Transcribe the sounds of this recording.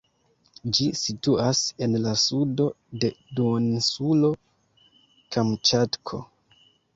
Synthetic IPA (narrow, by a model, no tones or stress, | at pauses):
d͡ʒisituase̞nlasudo̞ | de̞duonsulo̞ | kʰamt͡ʃatkʰo̞̰